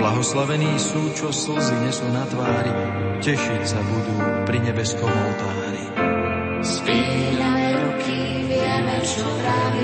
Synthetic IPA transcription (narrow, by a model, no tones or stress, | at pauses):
blaɦɔslaʋɛniːsuːt͡ʃɔsl̩ziɲɪɛsunat̪ʋaːɾia | cɛʃicsabud̪uːpɾiɲɛbɛskɔmɔlt̪aːɾḭ | spiːnaɛɾukʰi | ʋiamɛʃɔpɾaʋi